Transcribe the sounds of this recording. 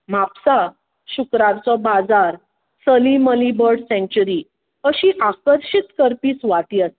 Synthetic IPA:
mapsa | ɕukɾãɾt͡sɔbad͡zaɾ | səliməlibəɾɽsɛ̃ɳt͡ɕuɾi | əɕiːʔakəɾɕit̪kəɾpiːsʋaʈ̪iːast̪i̥

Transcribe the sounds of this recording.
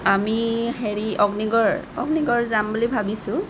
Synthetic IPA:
amiheɹiʔɔɡniɡɔɹɔ̰ɡniɡɔɹzambulibʱabisʊ̃

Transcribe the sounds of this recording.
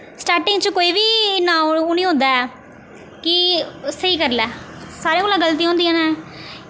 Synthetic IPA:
sʈaːɾʈɪ̃ŋɡt͡ʃəkoːiːbiːnaːʊnĩːɦõːnd̪aːɛː | kɪsəiːkəɾlɛː | saːɾẽːkoːlãːɡəlt̪̬iːãːnd̪iːãːnãː

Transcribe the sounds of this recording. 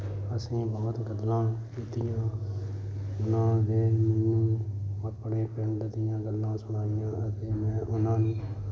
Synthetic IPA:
əsĩːbɔːt̪ɡəd̪lãːkiːt̪ɪjãː | ʊnãːd̪eːmɛːnũːəpːɽẽːpɛɳɖd̪ɪjãːɡəlːãːsʊɽ̃aːɪjãːət̪eːmɛ̃ːʔʊnãːnũː

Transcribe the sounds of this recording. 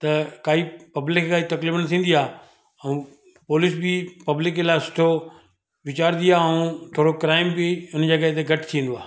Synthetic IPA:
t̪ɐkaːipɐblɪkʰːkaːit̪ɐklɪbnɐt̪ʰĩːnd̪iaː | ɐ̃ũ | poːlɪsbɪpɐblɪkelaːɪsʊ̥ʈʰo | ʋɪt͡ɕaːɾd̪iaːɐũt̪ʰoːɽokɾaːɪmbɪʊnd͡ʑɐɡəɦt̪eɡʱɐʈʰt̪ʰĩːn̆d̪oaː

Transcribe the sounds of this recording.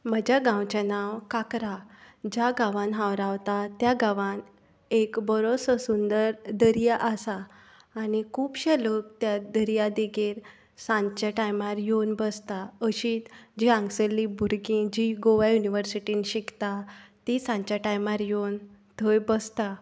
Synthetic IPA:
məd͡ʑaɡãwt͡ɕanaʋkakɾa | d͡ʑaɡãʋãnɦãwɾaʋt̪at̪jaɡãʋãn | ekbəɾosəsund̪əɾd̪əɾijaʔəsaː | nikʰuːpɕelək̚t̪jad̪əɾijad̪iɡiːɾ | sãɲt͡ɕaʈajmaɾjonbəst̪aəɕiːt̪d͡ʑiãŋɡsəlːibʱuɾɡĩd͡ʑiɡoʋajuniʋəɾsiʈiːnɕikt̪at̪isãɲt͡ɕaʈajmaɾjont̪ʰəjbəst̪a

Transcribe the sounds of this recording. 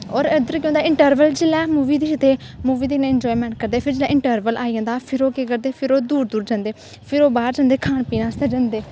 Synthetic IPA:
ɔːɾəd̪əɾkĩjõnd̪aːɪɳʈəɾʋəld͡ʒɪlɛːmuːʋiːd̪iːʃd̪eː | muːʋiːd̪inẽːɛnd͡ʒɔːimɛ̃ːɳʈ̚kəɾd̪eːpʰɪɾd͡ʒɪlɛ̃ːɪɳʈəɾʋəlʔaːijə̃nd̪aːpʰɪɾoːkekəɾd̪eːpʰɪɾoːd̪uːɾd̪uːɾd͡ʒãːnd̪eː | pʰɪɾoːbaːɾd͡ʒãːnd̪eːkʰaːnpiːnãːst̪ɛːd͡ʒãːnd̪eː

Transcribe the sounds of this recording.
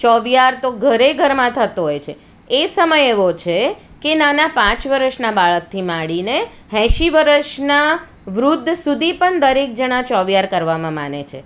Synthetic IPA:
t͡ʃɔʋjaɾt̪oɡʱəɾeɡʱəɾmãt̪ʰət̪oɦojt͡ʃʰeː | səməjeʋot͡ʃʰe | kenanapãt͡ʃʋəɾəʃnabaɭək̚t̪ʰimaɽine | ɦɛ̃ʃiʋəɾəʃna | ʋɾud̪ʱːsud̪ʱipəɳd̪əɾek̚d͡ʒəɽ̃at͡ʃɔʋjaɾkəɾʋamãma̰nḛt͡ʃʰḛ

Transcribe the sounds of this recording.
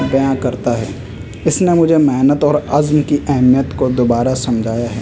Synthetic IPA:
bɐjãkɐɾt̪aɦɛː | ɪsnemʊd͡ʒʱemeɦnət̪ɔːɾɐzmkiʔɛɦmijət̪kod̪oːbaːɾasɐmd͡ʒʱaːjaɦɛː

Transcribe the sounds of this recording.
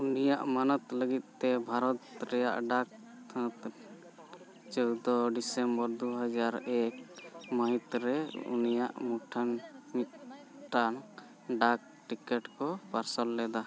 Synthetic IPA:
unijaʔmanɔt̪ləɡit̪̚ˀt̪ɛbʱaɾɔt̪ɾɛja̰ʔɖak̚t̪ʰt̪ | t͡ʃɔwd̪ɔɖisɛmbɔɾd̪uɦad͡ʒaɾɛk̚mait̪ɾɛṵnija̰ʔmuʈʰanmit̪̚ | ʈan | ɖak̚ʈikɛʈkɔpaɾsɔlːɛd̪a

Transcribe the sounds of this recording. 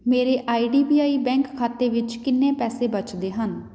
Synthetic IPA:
meːɾeːʔaːiːɖiːbiːaːiːbɛ̃ːŋkkʰːaːt̪eːʋɪt͡ʃkɪnːẽːpɛːseːbət͡ʃd̪eːɦən

